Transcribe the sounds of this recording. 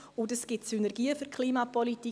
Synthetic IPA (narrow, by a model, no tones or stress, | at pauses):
ʊndəsɡ̥ɪtsynɛɾɡiːəfyɾkʰliːmapɔliti